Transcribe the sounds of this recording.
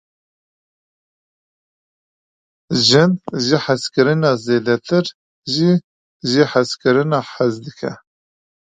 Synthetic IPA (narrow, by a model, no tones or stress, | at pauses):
ʒɪnʒiħaskɨɾɨnɑːzeːd̪ɛt̪ʰɨɾ | ʒi | ʒiħaskɨɾɨnɑːħazd̪ɨkʰɛ̰